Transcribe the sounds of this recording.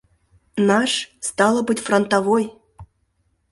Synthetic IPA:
nɑʂst̪ɑlˠəbɨtʲfront̪avoj

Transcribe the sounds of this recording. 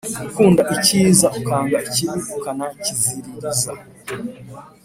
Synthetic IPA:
ukuːndaʔiciːzaukaːŋɡaʔiciɾiukanaiciziɾiza

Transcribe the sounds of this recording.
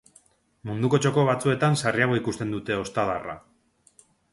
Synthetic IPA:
mund̪uko̞t͡ʃo̞ko̞βat͡sue̞t̪ansariaɣ̞o̞ikust̪e̞nd̪ut̪e̞o̞st̪aðara̰

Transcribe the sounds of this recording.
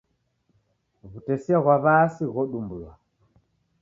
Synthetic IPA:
ɣutɛsiaɣwaβasiɣɔɗumbulwa

